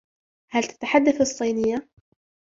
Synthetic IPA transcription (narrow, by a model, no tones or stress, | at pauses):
halt̪ḁt̪aħad̪ːaθɨsˤːijːnɪjːa